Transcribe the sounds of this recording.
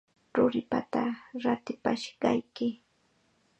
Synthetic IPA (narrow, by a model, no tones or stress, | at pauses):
ɾʊɾɪpat̪aɾat̪ɪpaʃɢɑjkɪ